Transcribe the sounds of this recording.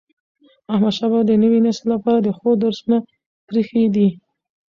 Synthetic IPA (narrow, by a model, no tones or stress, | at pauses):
ahmad̪ʃabad̪ənəwinaslapɑɾad̪əxod̪əɾsuna | pɾixed̪i